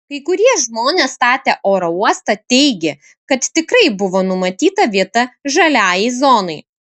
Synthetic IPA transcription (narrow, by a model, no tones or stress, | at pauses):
kɐɪkʊɾʲiɛʒmoːnʲest̪ɑːt̪ʲeːʔoːɾouɔst̪ɐt̪ʲɛɪɡʲe | kɐt̪t̪ʲɪkɾɐɪbʊʋoːnʊmɐt̪ʲiːt̪ɐʋʲiɛt̪ɐʒɐlʲæːjɛɪzɔːnɐɪ